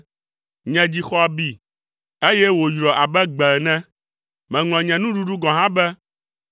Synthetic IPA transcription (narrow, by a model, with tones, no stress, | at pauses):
ɲɛ̃˨d͡ʑi˨xɔ˦a˨bi˨ | e˦jɛ˦wo˨jɾɔ˨ʔa˨bɛ˦ɡ͡bɛ˨nɛ̃˦ | mɛ̃˨ŋlɔ̃˨ɲɛ̃˨nũ˦ɖu˦ɖu˦ɡɔ̃˨ɦã˦bɛ˦